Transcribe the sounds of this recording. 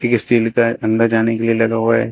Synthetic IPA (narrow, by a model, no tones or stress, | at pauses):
ɪkst̪iːlkaɐ̃nd̪ad͡ʒaːnekelielɐɡaɦoaɦɛ̰ː